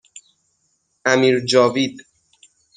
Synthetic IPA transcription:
æmiːɾd͡ʒɒːviːd̪

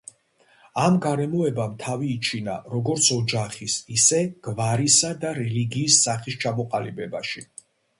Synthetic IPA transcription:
amɡaɾɛmɔɛbamt̪ʰaviːt͡ʃʰina̰ɾɔɡɔɾt̪sʰɔd͡ʒaχisisɛɡ̥vaɾisad̪aɾɛliɡiːsːaχist͡ʃʰamɔqʼalibɛbaʃi

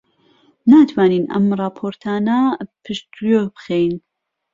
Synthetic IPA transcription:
naːt̪ʰwaːniːnʔɐ̰mrˤɑːpʰoːɾt̪ʰaːnapʰɨʃt̪ujobxejn

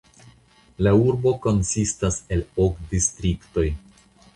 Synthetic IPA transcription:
lauɾbo̞ko̞nsistase̞lokdistɾikto̞j

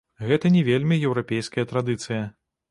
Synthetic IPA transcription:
ɣɛt̪ɐnʲɛvʲelʲmʲijɛwɾapʲejskɐjɐt̪ɾad̪ɨt̪sɨjɐ

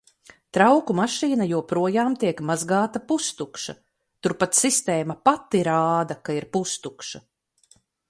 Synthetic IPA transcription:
t̪ɾawkumaʃiːnajuɔpɾuɔjaːmt̪iɛkmazɡaːt̪apust̪ukʃa̰ | t̪uɾpat̪sist̪eːmɐpat̪ːiɾaːd̪ɐkaiɾpust̪ukʃa

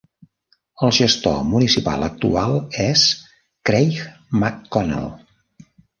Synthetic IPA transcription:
əlˠʒəst̪o̰munisipa̰lˠək̚t̪ualˠɛs | kɾejx | makːɔna̰lˠ

